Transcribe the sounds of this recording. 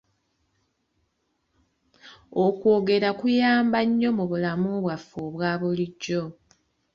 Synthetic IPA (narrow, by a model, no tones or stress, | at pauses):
okwoːɡe̞ɾakujaːmbaɲːo̞muβulamuβwafːoβwaːβuliɟːo̞